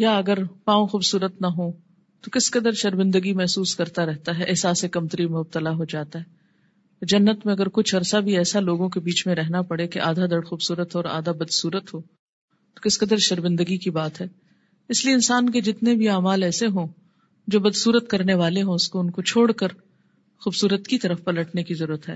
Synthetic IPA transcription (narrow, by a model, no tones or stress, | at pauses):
jaɐɡəɾpãːõxuːbsuːɾət̪nɐɦõ | t̪okɪskɐd̪əɾʃɐɾmɪ̃nd̪əɡimɛɦsuːskɐɾt̪aɾɛɦt̪aɦɛʔɪɦsaːsekɐmt̪əɾimʊb̚t̪əlaɦod͡ʒaːt̪aɦɛː | d͡ʒɐnːət̪mẽɐɡəɾkʊt͡ʃʰɐɾsabʱiɛːsaloːɡõkebiːt͡ʃmẽɾɛɦnapɐɽekeʔaːd̪ʱad̪ɐɽxuːbsuːɾət̪ɦoɔːɾa̰ːd̪ʱabɐd̪suːɾət̪ɦoː | t̪o̥kɪskɐd̪əɾʃɐɾmɪ̃nd̪əɡikibaːt̪ɦɛː | ɪslieɪnsaːnk̬ed͡ʒɪt̪nebʱiaːmaːlɛːseɦõ | d͡ʒoːbɐd̪suːɾət̪kɐɾneʋaːleɦõʊskoʊnkot͡ʃʰoːɽkəɾ | xuːbsuːɾət̪kit̪ɐɾəfpɐləʈnekizɐɾuːɾət̪ɦɛ̰ː